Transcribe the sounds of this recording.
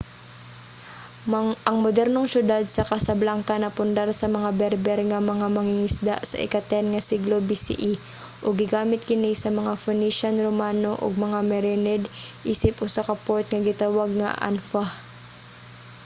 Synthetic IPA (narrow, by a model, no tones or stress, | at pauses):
ʔɐŋmod̪ɛɾnoŋsjʊd̪ad̪̚sɐkɐsɐblaŋkanɐpʊnd̪aɾsɐmɐŋabɛɾbɛɾŋɐmɐŋamɐŋɪŋɪsd̪a̰ʔsɐ̰ʔɪ̰kɐt̪ɛnŋɐsiɡlobisḭʔi | ʔoɡɪɡaːmɪt̪̚kɪnisɐmɐŋafʊniʃanɾomaːnoʔo̰ɡ̚mɐŋamɛɾɛnɛd̪ʔiːsɪpʔʊsakɐpoɹt̪̚ŋɐɡɪt̪awaɡ̚ŋɐ̰ʔa̰nfa